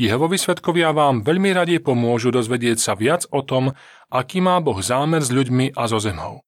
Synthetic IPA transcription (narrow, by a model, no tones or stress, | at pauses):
iɦɔʋɔʋiːsʋɛt̪kɔʋɪaʋaːmʋɛʎmiɾaɟɛjpɔmʊɔʒud̪ɔzʋɛɟɪɛcsaʋɪad͡zɔt̪ɔm | ʔakiːmaːbɔɣzaːmɛɾzʎuɟmiʔazɔzɛmɔ̰ʊ